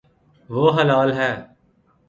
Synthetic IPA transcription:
ʋoːɦəlaːlɦɛː

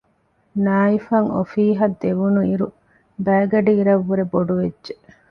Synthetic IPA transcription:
naːifɐŋofiːɦɐd̪ːeʋunuiɾu | bæːɡɐɖiːɾɐʋːuɾeboɖuʋedːʒe

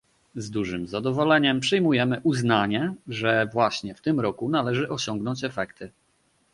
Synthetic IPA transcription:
zd̪uʐɘmzad̪ɔvɔlɛɲɛmpʂɛjmujɛmɘʔuznaɲɛʐɛvwaɕɲɛft̪ɘmɾɔkun̪alɛʐɘʔɔɕɔŋɡnɔɲt͡ɕɛfɛkt̪ʰɘ

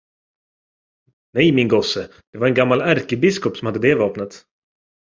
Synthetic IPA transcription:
nɛjmɪnɡɔsəd̪̥ɛvaɾɛnɡamːalæɾkəbɪskɔpsɔmhad̪ːəd̪eːvɑːpnət̪

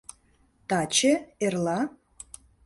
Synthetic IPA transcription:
t̪ɑt͡ɕeerlɑ

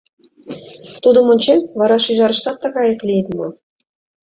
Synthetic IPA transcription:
t̪ud̪ɤ̆mɤ̆nʲt͡ɕenʲvɑɾɑʃiʒɑɾɤ̆ʃt̪ɑt̪ːɑɣɑjɤ̆klʲijt̪mɤ̆

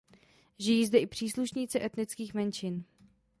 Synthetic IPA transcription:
ʒɪjiːzdɛʔɪpr̝̥iːsluʃɲiːt͡sɪʔɛt̪nɪt͡skiːxmɛnt͡ʃɪn

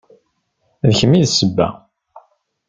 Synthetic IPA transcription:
ðəçəmːiðsəbːæ̰

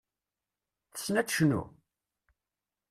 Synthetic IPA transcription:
θə̥snæd̪ʃnṵ

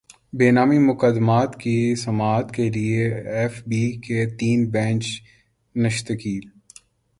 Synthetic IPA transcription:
beːnaːmimʊkəd̪maːt̪kisɐmaːt̪kelieɛːfbiket̪iːnbɛ̃ːnt͡ʃ | nɐʃt̪əkiːl

